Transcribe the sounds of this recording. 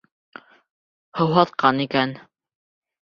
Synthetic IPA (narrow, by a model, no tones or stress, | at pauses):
hŏwɦɑt̪̚qɑnikæn